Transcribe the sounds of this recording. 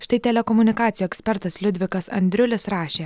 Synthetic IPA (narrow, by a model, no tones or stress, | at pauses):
ʃt̪ɐɪt̪ʲɛlʲɛkɔmʊnʲɪkɑːt̪sʲɪjuːɛksʲpʲɛɾt̪ɐslʲʊd̪ʲʋʲɪkɐsɐ̰nʲd̪ʲɾʲʊlʲɪsɾɑːʃʲeː